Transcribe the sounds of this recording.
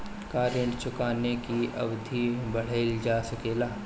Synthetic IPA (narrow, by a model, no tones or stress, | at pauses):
kaːɾjəɳt͡ʃʊkaːnekiɐ̰ʋd̪ʱibɐɽ̤eːld͡ʒaːsɐkeːlaː